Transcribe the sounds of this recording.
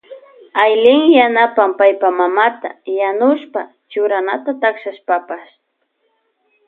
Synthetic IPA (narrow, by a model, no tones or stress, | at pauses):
ajlɪŋjanapampajpamamat̪ajanʊʃpa | t͡ʃʊɾanat̪at̪akʃaʃpapas